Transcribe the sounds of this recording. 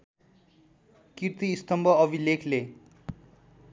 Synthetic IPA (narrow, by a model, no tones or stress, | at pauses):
kirt̪iːst̪ʌmbʱʌʌbʱilekʰle